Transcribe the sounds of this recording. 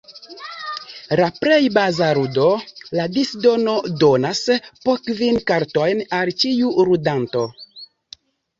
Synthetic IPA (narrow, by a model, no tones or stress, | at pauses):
ɾapɾejbazaɾudo̞ladisdo̞no̞do̞naspokvinkaɾto̞jnalt͡ʃiuɾudanto̞